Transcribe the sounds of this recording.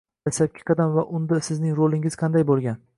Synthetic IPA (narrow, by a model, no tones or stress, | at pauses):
asap̚kʲʰɪ̥qʰɑd̪amvaʔʊnd̪asɪznɪŋɾolɪŋɪz̥qʰɑnd̪ajbolˠɡʲan